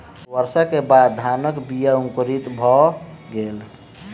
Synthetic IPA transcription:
wəɾsəkebad̪d̪ʱanəkbijəũŋkɾit̪bʱɔɡel

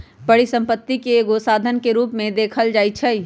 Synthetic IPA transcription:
bəɽisə̃mpət̪ːikeːɡosaːd̪ʱənkeɾuːpmẽd̪eːkʰəld͡ʒaːit͡ʃʰɛi

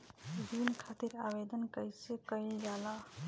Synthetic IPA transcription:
binːkʰat̪iɾabed̪ənkəjsekəjld͡ʒala

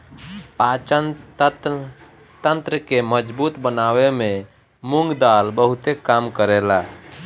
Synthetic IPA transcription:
pat͡ʃən | t̪ənt̪ɾəkeməd͡ʒbut̪bənaweme | muŋɡd̪albəɦut̪ekamkəɾela

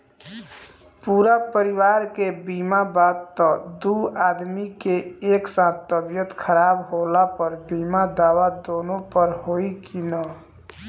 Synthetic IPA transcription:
puɾapəɾiwaɾkebimabad̪̚t̪əd̪uad̪mikeeksãt̪ːəbjət̪kʰəɾaːbɦolapəɾbimad̪aːwad̪onopəɾɦoikinə

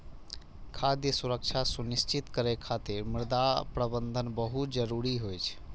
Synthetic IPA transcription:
kʰad̪jəsuɾək̚t͡ʃʰasunist͡ʃit̪kəɾekʰːat̪iɾmɪɾd̪apɾəbənd̪ʱənbəɦut̪d͡ʒəɾuɾiɦojt͡ʃʰ

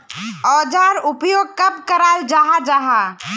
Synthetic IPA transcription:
ɔːd͡ʒaːɾʊpjoːɡ̚kɐbkɐɾaːld͡ʒaɦad͡ʒaɦaː

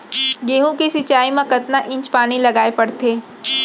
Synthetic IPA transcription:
ɡeːɦũkisɪt͡ʃaːimãkɐt̪naʔɪ̃ɲt͡ʃpaːnilɐɡaːepɐɽt̪eː

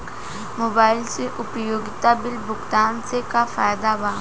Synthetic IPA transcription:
moːbaːɪlseʔʊpjoːɡɪt̪abɪlbʊkt̪aːnsekafaːjd̪abaː

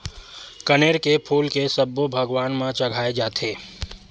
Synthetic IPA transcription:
kəneːɾkepʰuːlkesɐbːobʱɐɡwaːnmãt͡ʃɐɡʱaːed͡ʒaːt̪ʰeː

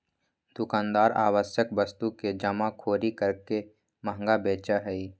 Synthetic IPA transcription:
d̪̥ʊkaːnd̪aːɾa̰ːwəʃjəkbəst̪uked͡ʒəmakʰoːɾikəɾke | məɦŋɡabeːt͡ʃaɦɛi

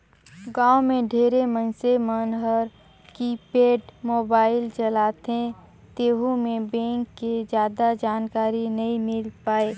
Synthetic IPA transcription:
ɡãːomẽɖʱeːɾemənsemənɦəɾ | kipeːɖmoːbaːɪlt͡ʃəlaːt̪ẽ | t̪eːɦumẽbẽːŋkːed͡ʒjaːd̪ad͡ʒaːnkaːɾinɐɦĩmɪlpaːeː

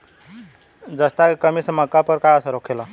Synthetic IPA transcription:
d͡zəst̪akəmiːsməkːapəɾkajəsaɾokʰela

